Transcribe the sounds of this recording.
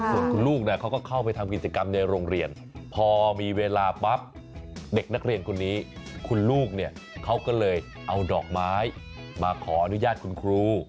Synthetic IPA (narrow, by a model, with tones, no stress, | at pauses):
su˨˩ənkʰu˧nluː˥˩k̚ni˥˩ɐkʰa˦˥wkɔː˥˩kʰa˥˩wpa˧jt̪ʰa˧mk̬i˨˩t̪̚t͡ɕa˧ka˧mna˧jɾoː˧ŋɾi˧ən | pʰɔː˧miː˧weː˧laː˧pa˦˥p̚ | de˨˩k̚na˦˥k̚ɾi˧ənkʰo˧nːiː˦˥kʰu˧nluː˥˩k̚ni˥˩əkʰa˦˥wkɔː˥˩lɤː˧j | ʔa˧wdɔː˨˩k̚maː˦˥j | maː˧kʰɔː˩˦ʔa˧nu˦˥jaː˥˩t̪̚kʰu˧nkʰɾuː˧